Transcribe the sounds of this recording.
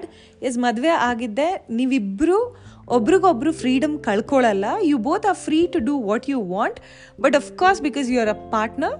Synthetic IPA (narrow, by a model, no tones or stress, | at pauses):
ɖ | es̬mɐd̪ʋeʔaːɡid̪ːe̞niːʋibːɾu | obːɐɾiɡobːɐɾufɾiːɖɐmkɐɭkoɭɐlːɐjuːboːt̪ʰaːɾfɾiːʈuɖuʋɔːʈjuːʋãːɳʈ | bɐʈɔfkɔːɾsbikɔːzjuɐɾɐpaːɾʈnɐɾ